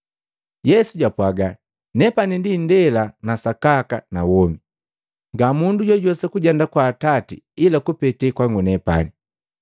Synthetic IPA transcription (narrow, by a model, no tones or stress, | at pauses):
jɛsuɟapwaɡa | nɛpanindindɛlanasakakanawɔmi | ŋɡamunduɟɔɟɔsakuɟandakwaːtatḭ | ilakupɛtɛkwaŋɡunɛpa̰ni